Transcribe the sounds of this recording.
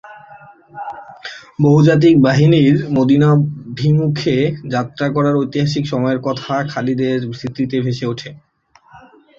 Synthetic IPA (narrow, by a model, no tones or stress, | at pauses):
boɦud͡ʑat̪̬ik̚baɦiniɾmod̪inabʱimukʰed͡ʑat̪ːɾakɔɾaɾojt̪iɦaʃikʃɔmɔeɾkɔt̪ʰakʰalid̪eɾbʱɾit̪ɾit̪ebʱeʃeoʈʰe